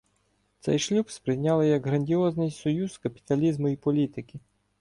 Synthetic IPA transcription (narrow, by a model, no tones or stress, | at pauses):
t̪sɛ̰jʃlʲubspɾɪjnʲalˠɪjɐɡɦɾɐnʲdʲiɔznɪjsɔjuzkɐpʲi̥t̪ɐlʲizmʊipɔlʲit̪ɪkʲɪ